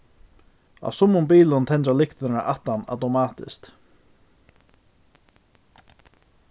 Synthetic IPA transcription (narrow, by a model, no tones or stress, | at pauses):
a̰wsʊmːʊmbiːlʊnt̪ʰɛnt̪alɪkt̪naʔaht̪ːana̰wt̪ɔmaːt̪ɪ̰skt̪